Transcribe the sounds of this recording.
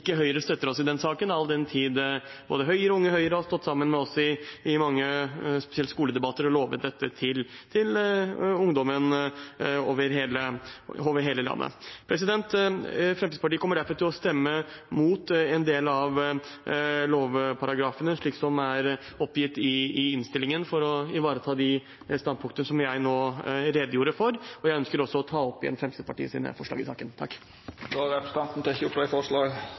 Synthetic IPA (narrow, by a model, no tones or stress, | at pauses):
ɪkːəɦœʏəɾəst̪œt̪ːəɾɔsɪd̪ɛnsɑːkənɑld̪ɛnt̪ʰiːd̪boːd̪əɦœʏəɾɔʊŋːəhœʏəɾəɔst̪ɔt̪ːsɑmːənmɛɔsːɔɪɪmɑŋːəspɛ̥sɪɛlt̪skuːləd̪ɛbɑt̪ːəɾɔloːʋə̰t̪̚d̪ɛt̪ʰːət̪ʰɪlt̪ʰɪlʊŋd̪ɔmən | o̰ːʋəɾɦeːləoːʋəɾɦeːləlɑ̰nːə̰pʰɾɛs̬ɪd̪ɛnt̪fɾɑmt̪ispɑʈiːkɔmːəɖæɾfɔɾt̪ʰɪlɔst̪ɛmːəmuːt̪ɛnd̪eːlɑʋ | loːʋpʰɑɾɑɡɾɑːfənəʂɭiːksɔmæɾ | ɔpːjɪt̪ːɪɪɪnst̪ɪlːɪŋənfɔɾɔɪʋɑːɾət̪ʰɑːd̪ɪ | st̪ɑnd̪̚pʊŋkt̪ənəsɔmjæɪnoːɾɛːd̪əjuːɾəfɔɾɔjæɪœnskəɾɔsːɔɔt̪ʰɑːɔpːɪɛ̰nfɾɛmsɪd̪əpʰɑʈḭːəsḭːnə̰fɔʂɭɑ̰ːɡɪsɑ̰ːkənt̪ʰɑ̰kː | d̪oɾɛpɾəst̪ɑnt̪n̩t̪ɔɪçəʊplɛɪfɔʂɭɑːɡ